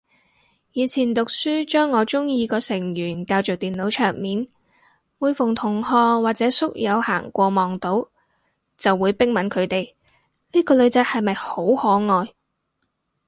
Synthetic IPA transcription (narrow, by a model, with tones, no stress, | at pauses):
jiː˨˧t͡sʰiː˨˩nt̪ʊ˨k̚syː˥t͡ʃœː˥ŋːɔː˨˧t͡ʃʊ˥ŋjiː˧kɔː˧sɪ˨˩ŋjyː˨˩nkaː˧wt͡sʊ˨k̚t̪iː˨nlo˨˥wt͡ʃʰœː˨˩ŋmiː˨˥n | wuː˨˧jfʊ˨˩ŋt̪ʰʊ˨˩ŋhɔː˧waː˨k̚t͡sɛː˨˥sʊ˥k̚jɐ˨˧wha̰ː˨˩ŋkʷɔː˧mɔː˨ŋt̪o˨˥w | t͡sɐ˨wːuː˨˧jpɪ˥ŋmɐ˨˥nkʰɵ˨˧ɥt̪e˨j | liː˥kɔː˧lɵ˨˧ɥt͡sɛ˨˥k̚hɐ˨jmɐ˨jho˨˥whɔː˨˥ŋɔː˨j